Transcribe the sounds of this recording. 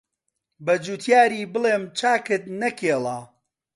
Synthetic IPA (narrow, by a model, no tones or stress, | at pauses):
bɐd͡ʒuːt̪ʰjaːɾiːbɨleːmt͡ʃʰaːkɨt̪̚nɐkʰeːlˠaː